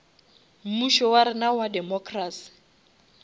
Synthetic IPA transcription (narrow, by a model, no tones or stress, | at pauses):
m̩muʃɔwaɾɪnawadɛmɔkʰraːsi̥